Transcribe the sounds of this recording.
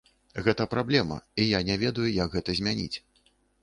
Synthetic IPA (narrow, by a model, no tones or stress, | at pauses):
ɣɛt̪ɐpɾablʲɛmɐ̰ijanʲɛvʲɛd̪ɐjujɐɡɣɛt̪ɐzʲmʲanʲḭt͡sʲ